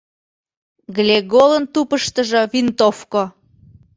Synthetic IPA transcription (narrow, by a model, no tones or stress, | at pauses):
ɡlʲeɡolənt̪upəʃt̪əʒɤvint̪ofko